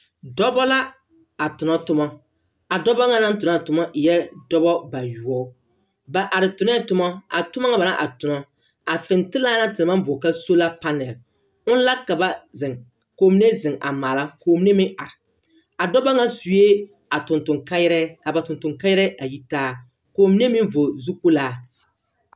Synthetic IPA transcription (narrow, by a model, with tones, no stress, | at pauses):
dɔ˦bɔ˦la˦ | a˨tʊ˨nɔ˦tʊ˦mɔ˦ | a˨dɔ˦bɔ˦ŋa˦na˦n˦tʊ˨na˨tʊ˨mɔ˦ʔɪ˨jɛ˦dɔ˦bɔ˦ba˨ju˨ɔ˦ | ba˨ʔa˨ɾɪ˨tʊ˨nɛ˦˨tʊ˦mɔ˦a̰˨tʊ˦ma˦ŋa˦ba˨na˦ʔa̰˨tʊ˨nɔ˦ | a˨fɪ˨ntɪ˦la˦na˦tɪ˨lma˦m˦bʊ˨ka˦so˦la˦pa˦nɛ˨l | ʊ˦n˦la˦kːa˨ba˦zɪ˨ŋ | koː˨m˦ne˦zɪ˨ŋʔa̰˨maː˨la˦koː˨m˦ne˦mɪ˦ʔa˨ɾɪ˨ | a˨dɔ˦bɔ˦ŋa˦su˨je˦ | a˨tʊ˨ntʊ˨ŋka˦jɾɛ˦ka˨ba˨tʊ˨ntʊ˨ŋka˦jɛ˦ɾɛ˦a˨ji˦taː˦ | koː˨m˦ne˦mɪ˦ɱ˦vo˨zu˦ku˦laː˦